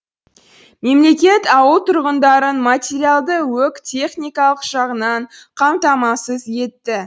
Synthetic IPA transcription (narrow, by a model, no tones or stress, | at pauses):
me̞mle̞kʲe̞t̪ɑwəlˠt̪ʰʊɾʁənd̪ɑɾənmat̪ʲeɾialˠd̪əwɵkt̪ʲʰe̞χnʲijkɑlˠəqʒ̥ɑʁənɑɴqʰɑmt̪ɑmɑsəzje̞t̪ːɪ